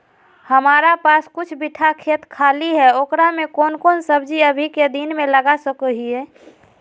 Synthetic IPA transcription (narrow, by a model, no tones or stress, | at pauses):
həmaːɾapaːskʊt͡ʃʰbiʈʰakʰeːt̪kʰaːliɦɛoːkɾamekoːnkoːnsəbd͡ʒiəbʱiked̪inmẽləɡasəkəɦiɛ